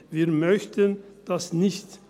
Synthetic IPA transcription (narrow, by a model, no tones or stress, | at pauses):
viːɐmœçtʰənd̥asnɪçt